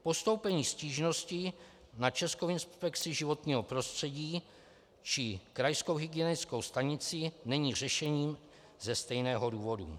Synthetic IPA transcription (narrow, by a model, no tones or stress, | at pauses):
po̞st̪o̞wpɛɲiːsciːʒno̞scɪ | nat͡ʃɛskowɪnspɛkt͡sɪʒɪvo̞t̪ɲiːɦopɾo̞st̪r̝̥ɛɟiː | t͡ʃɪkɾajskowɦɪɡɪɛnɪskowst̪aɲɪt͡sɪnɛɲiːr̝ɛʃɛɲiːm | zɛst̪ɛjnɛːɦo̞duːvo̞dṵ